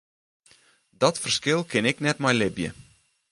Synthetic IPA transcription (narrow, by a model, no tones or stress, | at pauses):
dɔtfərskɪlˠkʰɪnɛknɛtmɛjlɪbjə̰